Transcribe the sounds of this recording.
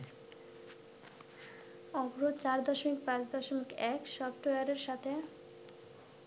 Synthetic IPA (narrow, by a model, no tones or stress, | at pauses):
ɔbɾot͡ɕaɾd̪ɔʃomik̚pãt͡ɕd̪ɔʃomikɛkʃɔbʈojaɾeɾʃat̪ʰe